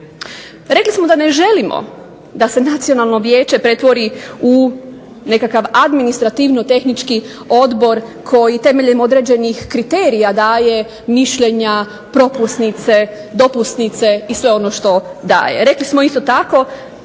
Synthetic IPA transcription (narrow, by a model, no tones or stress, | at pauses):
ɾe̞klismo̞d̪ane̞ʒe̞limo̰ | d̪ase̞nat̪sio̞nalˠno̞ʋjeːt͡ʃe̞pɾe̞t̪ʋo̞ɾiu | ne̞kakaʋad̪minist̪ɾat̪iʋnot̪e̞xnit͡ʃki | o̞d̪bo̞ɾkʰo̞jit̪e̞me̞ʎemo̞d̪ɾe̞d͡ʑe̞nixkɾit̪eːɾijad̪aːje̞ | miʃʎeɲa | pɾo̞pusnit̪se̞d̪o̞pust̪nit̪se̞isʋe̞o̞no̞ʃt̪o̞d̪a̰ːjḛɾe̞klismo̞ist̪o̞t̪ako̞